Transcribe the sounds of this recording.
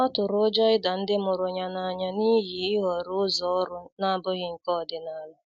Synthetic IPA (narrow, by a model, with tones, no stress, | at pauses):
ɔ˦tʊ˨ɾʊ˨˦d͡ʒɔ˦ɪ˦da˨n̩˦dɪ˦mʊ˨ɾʊ˨ɲa˨na˨ɲa˨ni˦ɦi˨ɪ˦ɦɔ˨ɾʊ˦ʊ˦zɔ˦ɔ˦ɾʊ˦na˦˨bʊ˦ɣɪ˦ŋ̩˦kɔ˦˨dɪ˨na˨la˦